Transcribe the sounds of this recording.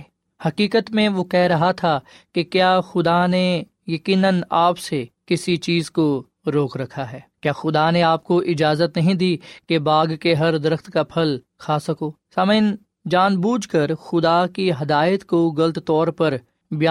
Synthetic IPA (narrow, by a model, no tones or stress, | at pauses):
hɐkiːkət̪mẽʋokɛɦɾɐɦat̪ʰakekjaːxʊd̪ane | jɐkiːnənaːpsekɪsit͡ʃiːzko | ɾoːkɾɐkʰaɦɛːkjaːxʊd̪aneaːp̚koʔɪd͡ʒaːzət̪nɐɦĩd̪iːkebaːɡkeɦɐɾd̪ɪɾəxt̪kapʰɐl | kʰaːsɐkoːsɐmən | d͡ʒaːnbuːd͡ʒʱkɐɾxʊd̪akiɦɐd̪aːjət̪koɡɐlt̪t̪ɔːɾpɐɾ | bjaː